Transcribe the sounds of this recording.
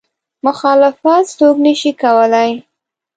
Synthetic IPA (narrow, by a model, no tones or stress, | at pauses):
mʊxɑlɪfat̪st̪oɡnəʃikawəlaj